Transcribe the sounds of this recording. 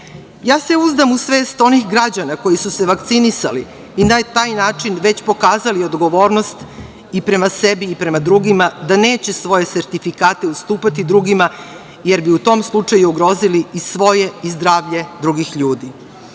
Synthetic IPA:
jaːse̞uzd̪amusʋeːst̪o̞nixɡɾad͡ʑanako̞jisuseʋakt̪sinisa̰lḭ | inat̪aːjnaːt͡ʂinʋe̞t͡ɕpo̞kaːzaliod̪ɡo̞ʋo̞ːɾnost̪ | ipɾe̞masebiːpɾe̞mad̪ɾuɡimad̪ane̞ːt͡ɕesʋo̞je̞seɾt̪ifikaːt̪e̞ust̪uːpat̪id̪ɾuɡima | jeɾbiut̪o̞ːmslˠut͡ʂajuuɡɾo̞ːziliisʋo̞je̞izd̪ɾaːʋʎe̞d̪ɾuɡixʎuːd̪i

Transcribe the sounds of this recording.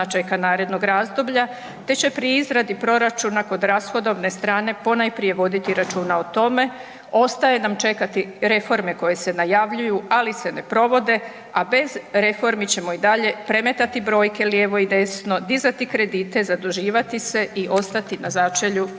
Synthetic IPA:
at͡ʃe̞kanaːɾe̞d̪no̞ɡɾaːzd̪o̞bʎa | t̪e̞t͡ɕe̞pɾiizɾad̪ipɾo̞ɾat͡ʃunako̞d̪ɾasxo̞d̪o̞ʋne̞st̪ɾaːne̞po̞najpɾije̞ʋo̞d̪it̪iɾat͡ʃuːnaot̪o̞me̞ | o̞st̪aje̞namt͡ʃe̞kat̪iɾe̞fo̞ɾme̞ko̞je̞se̞najaʋʎujualise̞ne̞pɾo̞ʋo̞d̪e̞ | abe̞zɾe̞fo̞ɾmit͡ɕe̞mo̞id̪aʎe̞pɾe̞me̞t̪at̪ibɾo̞ːjke̞ljeːʋo̞id̪e̞sno̞d̪izat̪ikɾe̞d̪iːt̪e̞zad̪uʒiːʋat̪ise̞ʔiʔo̞st̪at̪inazat͡ʃe̞ʎu

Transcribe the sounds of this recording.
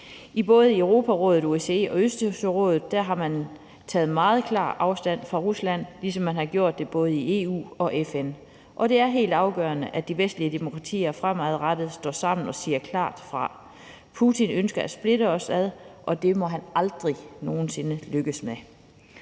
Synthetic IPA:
ib̥ɔ̽ːð̞̩ˠieʊʁo̝ːpʰæʁɔ̽ːð̞̩ˠueseɒ̽øsd̥səʁɔ̰̽ːðˠð̩ˠd̥æɐɦɑ̈mæn | t͡sʰɛ̰ːð̩ˠmɑ̈ːð̞̩ˠkʰlɑ̰̈ːʔɑ̈ʊsd̥æn̰fʁɑ̈ʁuslæn̰lisɒ̽mːænhɑ̈ɡ̥jo̝ɐ̰d̥ːe̝b̥ɔ̽ːð̞ˠie̝̰ːṵːɒ̽ʔefen | ʔɒ̽ɾ̥e̝æɐɦe̝̰ːld̥ɑ̈ʊɡ̥œːɐnəʔæd̥iʋesd̥liəd̥e̝mo̝kʰʁɑ̈t͡sʰḭːɐfʁam̰æðˠʁad̥əð̩ˠsd̥ɒ̰ːsɑ̈m̰n̩ɒ̽siːɐkʰlɑ̰̈ːd̥fʁɑ̈ | pʰut͡sʰinønsɡ̥ɐæ̥sb̥le̝ɾəɒ̽sæðˠʔɒ̽d̥e̝mɒ̽ɦænɑ̈ld̥ʁino̝ːn̩se̝nəløɡ̥əsme

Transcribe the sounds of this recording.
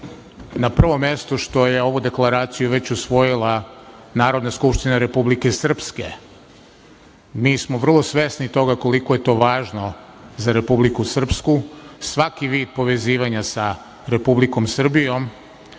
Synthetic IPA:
napr̩ʋo̞mje̞st̪oʃt̪o̞je̞o̞ʋud̪e̞klˠaɾaːt̪sijuʋe̞t͡ɕusʋo̞jilˠa | naːɾo̞d̪naskupʃt̪inaɾe̞publike̞sr̩pske̞̰ | miːsmoʋr̩lˠo̞sʋe̞snit̪o̞ɡako̞likojet̪o̞ːʋaːʒno̞ | zaɾe̞publikusr̩pskusʋakiʋiːd̪̚po̞ʋe̞ziːʋaɲasa | ɾe̞publiko̞msr̩bijo̞m

